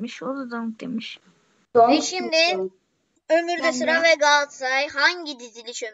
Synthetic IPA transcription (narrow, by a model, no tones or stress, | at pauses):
miʃod̪ad̪amk̚d̪emiʃ | vɛʃimd̪ɪ | ømyɾd̪ɛsuɾavɛɡalˠt̪sajhaɲɟid̪izilʲit͡ʃøm